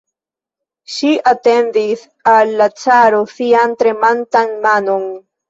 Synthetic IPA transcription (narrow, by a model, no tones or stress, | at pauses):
ʃiʔate̞ndis | alːat͡saɾosiantɾe̞mantanmano̞n